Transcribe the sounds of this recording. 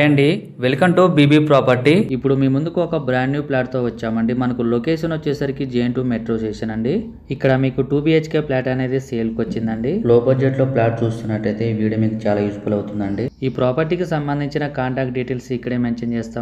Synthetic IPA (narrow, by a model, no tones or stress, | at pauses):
eɐɳɖi | ʋelkɐɳʈuːbiːbiːpɾaːpɐɾʈiipːuɽumiːmund̪ukuɔkɐbɾaːɳɖjuːplaːʈ̚t̪o̞ːʋɐt͡ʃːaːmɐɳɖimɐnɐkulo̞keːʂɐnɐt͡ʃːeːsaːɾikid͡ʒeːɳʈuːmeʈɾo̞ːt͡ʃeːʂɐnɐɳɖiː | kːɐɽɐmiːkuʈuːbiːet͡ʃke̞ːplaːʈɐne̞ːd̪iseːlkʋɐt͡ʃːind̪ɐɳɖiloːbɐɾd͡ʒeʈlo̞ːplaːʈ̚t͡ʃuːst̪unːɐʈːɐjt̪e̞ːʋiːɽɐmiːkut͡ʃaːlaːjud͡ʒupulɐwt̪und̪ɐɳɖiiːpɾaːpɐɾʈiːkisɐmbɐnd̪ʱiɲt͡ʃinɐkaːɳʈaːk̚ʈ̚ɖiːʈeːlsikːɐɽeːmeːnt͡ʃɐnt͡ʃeːst̪aː